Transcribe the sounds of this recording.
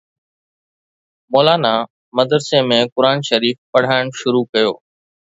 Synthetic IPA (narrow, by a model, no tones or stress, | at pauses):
moːlaːna | mɐd̪əɾsemẽkʊɾaːnʃɐɾiːfpɐɽ̤aːɪɽ̃ʃʊɾukɐjo̰ː